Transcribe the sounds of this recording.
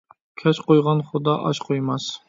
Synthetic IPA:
kʲʰat͡ʃqʰojʁɑnχʊd̪ɑʔɒ̰ʃqʰojmas

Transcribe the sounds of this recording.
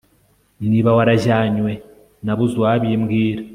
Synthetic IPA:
niβawaɾaʒaːɲwe̞ | naβuzwaːβjemɡiːɾa

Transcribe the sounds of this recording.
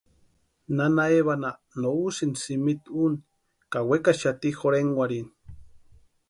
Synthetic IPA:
nanaeβana | nousinsimit̪un | kawekaʃat̪ixoɾeŋwʷaɾin

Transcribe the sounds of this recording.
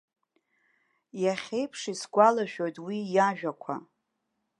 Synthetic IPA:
jaχʲe̞jpʰʂisɡʷalaʃᶣo̞jtʼwijaʒᶣakʷʰa̰

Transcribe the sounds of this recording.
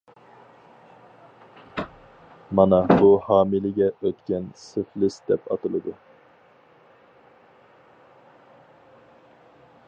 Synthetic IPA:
mɑnɑbuhɑːmilɪɡʲɛøt̪kʲɛnsɪflɪsd̪ɛpɑ̰t̪ɨlˠɨd̪u

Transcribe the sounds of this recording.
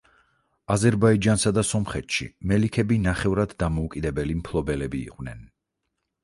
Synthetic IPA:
azɛɾbaid͡ʒansad̪asɔmχɛt̪ʃḭmɛlikʰɛbinaχɛvɾad̪ːamɔukʼid̪ɛbɛlimpʰlˠɔbɛlɛbḭːqʼvnɛ̰n

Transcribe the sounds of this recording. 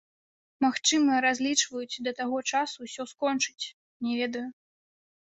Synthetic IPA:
maxt͡ʂɨmɐɾazʲlʲit͡ʂvɐjut͡sʲd̪ɐt̪aɣɔt͡ʂasusʲɔskɔnt͡ʂɨ̥t͡sʲ | nʲɛvʲɛd̪ɐju

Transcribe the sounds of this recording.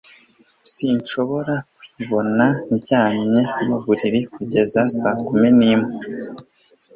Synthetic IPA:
siɲʃo̞βo̞ɾakwiβo̞naiɟaːɲɲe̞amaβuɾiɾikuɟe̞zasaːkuminiːmŋe

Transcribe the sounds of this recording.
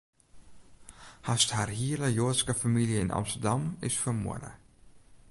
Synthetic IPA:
hastharhiələjoəskafamiljəɪnʔɑ̰mstərdɑmɪsfərmṵədə̰

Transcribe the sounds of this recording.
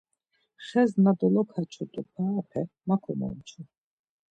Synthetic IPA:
χɛznad̪ɔlɔkʰat͡ʃʰɔt̪ʼupʰaːpʰɛmakʰɔmɔ̰nt͡ʃʰu

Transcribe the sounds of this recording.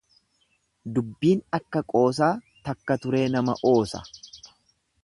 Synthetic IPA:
d̪ʊbːiːnɐkːɐkʼo̞ːs̬aː | t̪ɐkːɐt̪ʊɾe̞ːnɐmɐ̰ʔo̞ːsɐ̰

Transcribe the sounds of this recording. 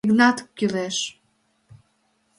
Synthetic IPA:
iɡnɑt̪kːyleʃ

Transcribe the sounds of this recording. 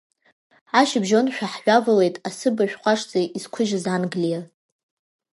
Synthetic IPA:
ʕaʃɪbʒo̞nʃᶣaħːʷᶣavale̞jtʼasɨbaʃᶣqʷʰʼaʂt͡sʼeizkʷʰʊʒɪzanɡlija

